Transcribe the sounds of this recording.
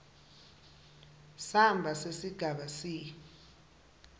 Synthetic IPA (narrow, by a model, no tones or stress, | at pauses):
sambʱasesiɡ̥ʱaɓasiː